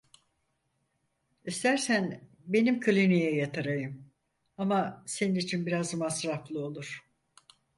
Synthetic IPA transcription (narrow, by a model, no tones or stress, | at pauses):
ist̪æɾsæn | be̞nimkʰɯlʲinijɛjat̪ʰaɾajɯm | amase̞ninit͡ʃʰinbiɾazmasɾaflˠɯo̞lˠuɾ̥